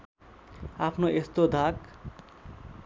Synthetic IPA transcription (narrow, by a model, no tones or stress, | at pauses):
apʰnoʔest̪od̪ʱak